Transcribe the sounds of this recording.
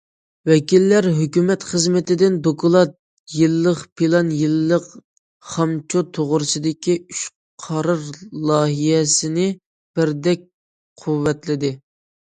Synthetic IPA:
wɛkʲilːæɾɦøkʲymɛt̪χəzmɪt̪ɪd̪ɪnd̪okʰulˠɑt̪̚ | jilˠːəχpʰilˠɑnjɨlˠːəq | χɑmt͡ʃʰot̪ʰoʁʊɾɨsɨd̪ɪkʲiyʃ | qʰɑɾɑɾlˠɑːɦijɛsɪnɪ | b̥ɪɾd̪ɛk̚ʲ | qʰuwːɛt̪lɪd̪ɪ

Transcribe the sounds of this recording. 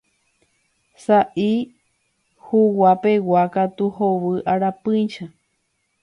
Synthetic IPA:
saʔi | huwapewakat̪uhoβɨʔaɾapɨ̃ʃa

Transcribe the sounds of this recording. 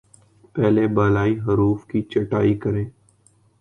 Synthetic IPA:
pɛːlebaːlaːiɦəɾuːfkit͡ʃəʈaːikəɾẽː

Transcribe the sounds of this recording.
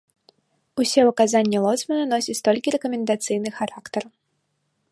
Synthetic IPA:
usʲɛɐkazanʲːɛlˠɔsʲmʲɐnɐnɔsʲit͡sʲt̪ɔlʲkʲiɾɛkɐmʲɛnd̪at̪sɨjnɨxaɾakt̪ɐr

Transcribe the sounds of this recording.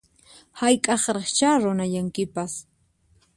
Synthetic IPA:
hajkʼɑχɾeχt͡ʃaːɾʊnajaŋkɪpas

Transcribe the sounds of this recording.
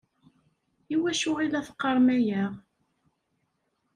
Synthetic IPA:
iwæʃʊʁilæθqːɑɾˤmæjæʁ

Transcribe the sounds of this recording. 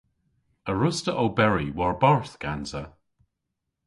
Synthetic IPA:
əɹʊstəʔowbɛɹiwɔɹbaɹθɡ̥anzə

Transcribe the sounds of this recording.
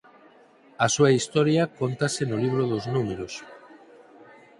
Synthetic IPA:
ɐsuaist̪ɔɾjakont̪asenoliβ̞ɾoðoznumeɾos

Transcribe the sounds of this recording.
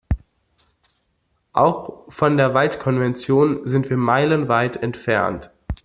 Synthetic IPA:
ʔa̰ʊxfɔndeːɐvaltkʰɔnvɛnt͡sjoːnzɪntv̥iːɐmaɪlənvaɪtʰɛntfɛɐnt

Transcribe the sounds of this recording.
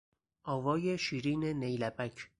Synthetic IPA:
ʔɒːvɒːjeʃiːɾiːnenejlæbʰæcʰ

